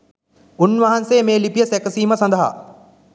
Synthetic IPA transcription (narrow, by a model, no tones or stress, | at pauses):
unʋɐɦɐnseːmeːlipijəsɛkəsiːməsɐ̃nd̪əɦa̰